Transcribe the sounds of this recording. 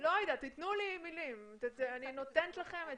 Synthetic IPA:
loajd̪at̪it̪nulimilimtetanino̞t̪ent̪laχeme

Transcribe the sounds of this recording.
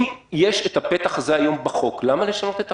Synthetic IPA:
jeʃet̪apet̪aχazeajo̞mbaχo̞klamale̞ʃano̞t̪et̪a

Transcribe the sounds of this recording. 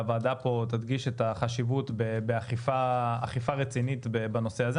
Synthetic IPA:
vaːdapo̞t̪ad̪ɡiʃet̪aχaʃivut̪bebeaχifaa̰χifaʁet͡sinit̪bebano̞seaze

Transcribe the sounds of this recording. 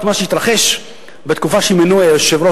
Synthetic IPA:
tmaʃeit̪ʁaχeʃ | bet̪kufaʃeimenueʃevɾo

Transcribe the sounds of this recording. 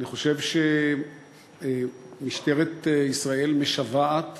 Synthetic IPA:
aniχo̞ʃevʃe | miʃt̪eʁet̪isʁae̞lmeʃavaat̪

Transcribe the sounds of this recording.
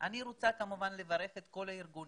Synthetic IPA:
ʔaniɾot͡sakamuvanle̞vaʁe̞fet̪ko̞laiʁɡun

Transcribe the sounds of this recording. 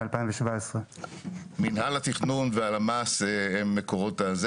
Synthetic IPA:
alpajĩmveʃvaesʁe | minɦalat̪iχnunvealamaseemːekoʁo̞t̪az

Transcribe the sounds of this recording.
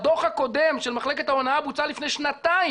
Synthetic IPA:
d̪oχhako̞d̪emʃelmaχle̞ket̪aonaabut͡salifne̞jʃnat̪ai

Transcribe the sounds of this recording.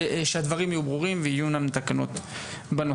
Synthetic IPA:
ʃead̪vaʁimajubʁuʁimveijunamet̪akano̞̰t̪ | bano

